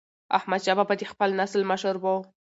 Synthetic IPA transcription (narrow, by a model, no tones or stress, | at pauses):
a̰hmad̪ʃababad̪expəlnaslməʃəɾwo